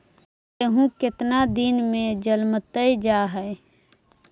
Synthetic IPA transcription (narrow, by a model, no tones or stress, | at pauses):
eɦũkɪt̪nad̪inmẽd͡ʒəlmt̪əjd͡ʒaːɦɛe